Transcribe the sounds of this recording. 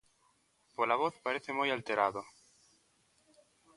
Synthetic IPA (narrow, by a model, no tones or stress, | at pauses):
polaβoθpaɾeθemujalt̪eɾaðo